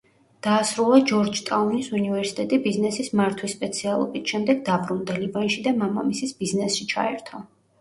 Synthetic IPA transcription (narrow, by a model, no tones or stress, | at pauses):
d̪̥aːsɾulˠad͡ʒɔɾd͡ʒt̪ʼaunisunivɛɾsit̪ʼɛt̪ʼibiznɛsismaɾt̪ʰwispʼɛt̪sʰialˠɔ̰bit̪ʃɛmd̪ɛɡd̪abɾund̪alivanʃid̪amama̰misisbiznɛsʃit͡ʃʰa̰ɛɾt̪ʰɔ